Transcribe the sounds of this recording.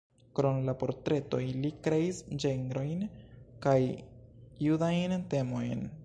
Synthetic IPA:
kɾo̞nlapo̞ɾtɾe̞to̞jlikɾe̞isd͡ʒeŋɡɾo̞jnkaj | judajnte̞mo̞jn

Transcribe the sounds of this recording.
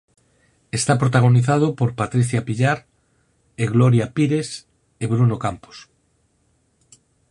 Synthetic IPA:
est̪apɾot̪aɣ̞oniθað̞opoɾpat̪ɾiθjapiʎaɾ | eɣloɾjapiɾes | eβɾunokampo̥s

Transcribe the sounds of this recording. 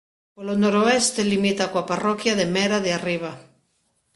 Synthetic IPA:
polonoɾoest̪elimit̪akwaparokjaðemeɾaðeariβ̞a

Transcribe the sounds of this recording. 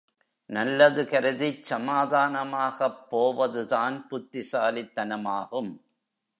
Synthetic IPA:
nɐlːɐðɯkɐɾɯðisɐmaːðaːnɐmaːɣɐpːoːʋɐðɯðaːnpʊt̪ːɪsaːlɪt̪ːɐnɐmaːɣɯm

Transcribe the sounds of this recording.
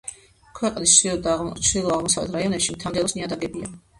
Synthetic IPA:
kʰwɛqʼnisʃiɔd̪at͡ʃʰd̪ilˠɔaʁmɔsavlɛ̰t̪ʰɾaiɔnɛpʃimt̪ʰand̪ɛlˠɔsniad̪aɡɛbia̰

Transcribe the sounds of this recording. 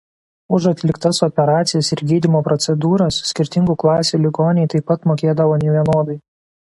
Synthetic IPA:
ʊʒɐt̪ʲlʲɪkt̪ɐsɔpʲɛɾɑːt̪sʲɪjɛsɪɾɡʲiːd̪ʲɪmoːpɾɔt̪sʲɛd̪uːɾɐssʲkʲɪɾʲt̪ʲɪŋɡuːklˠɑːsʲuːlʲɪɡoːnʲɛɪt̪ɐɪpːɐt̪moːkʲeːd̪ɐʋoːnʲɛʋʲiɛnoːd̪ɐɪ

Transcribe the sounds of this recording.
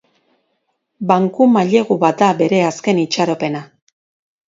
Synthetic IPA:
baŋkumaʎe̞ɣuβat̪̚d̪abe̞ɾe̞aske̞nit͡ʃaɾo̞pe̞na

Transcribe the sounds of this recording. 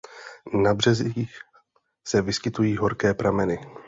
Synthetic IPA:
nabr̝ɛziːx | sɛvɪskɪt̪ujiːɦo̞ɾkɛːpɾamɛnɪ

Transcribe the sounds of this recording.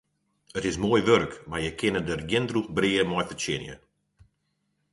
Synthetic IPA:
ətɪsmoːjʋørəkmajəkʰɪnədərɡɪndruxbriːəmɔjfət͡ʃɪ̰njə̰

